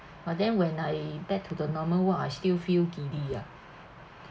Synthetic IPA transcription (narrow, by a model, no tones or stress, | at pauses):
bad̪ɛ̃nwɛ̃nlajbɛk̚tʰudənɔməwaajst̪ilfilkidia